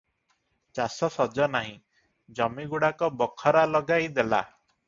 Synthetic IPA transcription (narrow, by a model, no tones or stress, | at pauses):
t͡ʃasɔsɔd͡ʒɔnaɦĩ | d͡ʒɔmiɡuɽakɔbɔkʰɔɾalɔɡajd̪ela̰